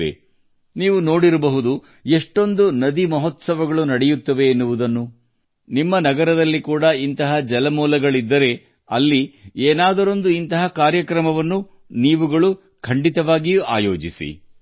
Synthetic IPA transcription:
ḛ | niːʋuno̞ːɽiɾɐbɐɦud̪u | eʂʈo̞nd̪unɐd̪imɐɦot̪sɐʋɐɡɐɭunɐɽɛjut̪ːɐʋe̞ːnːuʋud̪ɐnːu | nimːɐnɐɡɐɾɐd̪ɐlːikuːɽɐint̪ɐɦɐd͡ʒɛlɐmuːlɐɡɐɭid̪ːɐɾe̞ | ɐlːieːnaːd̪ɐɾo̞nd̪uint̪ɐɦɐkaːɾjɐkɾɐmɐʋɐnːu | niːʋuɡɐɭu | kʰɐɳɖit̪ɐʋaːɡijuaːjo̞ːd͡ʒisḭ

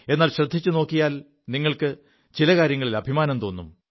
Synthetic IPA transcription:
e̞nːaːlɕrɐd̪ʱːit͡ɕːuno̞ːkːijaːl | niŋːɐɭkɨ | t͡ɕilɐkaːɾjɐŋːɐɭilɐbʱimaːnɐmt̪o̞ːnːum

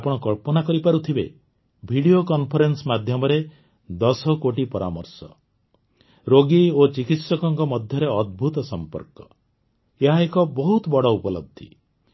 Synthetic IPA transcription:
apɔɽ̃ɔkɔɭpɔnakɔɾipaɾut̪ʰibḛ | bʱiɽiokɔnpʰɔɾensmad̪ʱjɔmɔɾe | d̪ɔsɔkoʈipɔɾa̰mɔ̰ɾsɔ̰ | ɾoɡiot͡ʃikit̪sɔkɔŋkɔmɔd̪ʱjɔɾeɔd̪̚bʱut̪ɔsɔmpɔ̰ɾkɔ | eɦaekɔbɔɦut̪ɔbɔɽɔupɔlɔ̰b̚d̪ʱːḭ

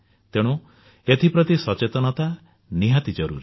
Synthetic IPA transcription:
t̪eɽ̃u | et̪ʰipɾɔt̪isɔt͡ʃet̪ɔnɔt̪a | niɦat̪id͡ʒɔɾṵɾe

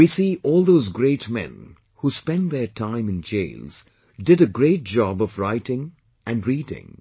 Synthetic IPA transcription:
wisiʔɔːlˠd̪oʊzɡɾeɪtmɛ̰̃n | huspɛ̃nðətʰãɪ̃mɨ̃nd͡ʒḛɪlz̥ | dɪɾɨɡɹeɪt̚d͡ʒɑbʌvɹaɪtɪ̃ŋ | ʔɨ̃nɹiːdɪ̰̃ŋ

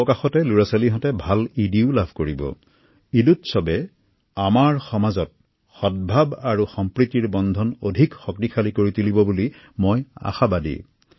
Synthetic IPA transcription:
ɔkaxɔtɛluɹasaliɦɔtɛbʱalidiʊlabʱkoɹibɔ̰ | idutsɔbɛ | amaɹxɔmazɔt̚ | xɔt̚bʱabaɹuxɔmpɹitiɹbɔndʱɔnodʱikxɔk̚tikʰalikoɹitulibɔbuli | moja̰xabadḭ

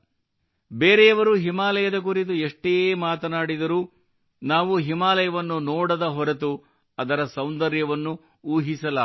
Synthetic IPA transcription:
beːɾɛjɐʋɐɾuɦimaːlɐjɐd̪ɐk̬uɾit̪̬ueʂʈejeːmaːt̪ɐnaːɽid̪ɐɾuː | naːʋuɦimaːlɐjɐʋɐnːunoːɽɐd̪ɐɦɔɾɐt̪̬u | ɐd̪ɐɾɐsɐwnd̪ɐɾjɐʋɐnːu | uːɦisɐlaː

